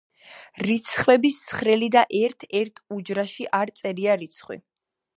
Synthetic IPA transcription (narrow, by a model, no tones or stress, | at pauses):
ɾit̪sʰχwɛbissʰχɾɛlid̪aʔɛɾt̪ʰɛɾt̪ʰud͡ʒɾaʃiʔaɾt̪sʼɛɾiaɾit̪sʰχwḭ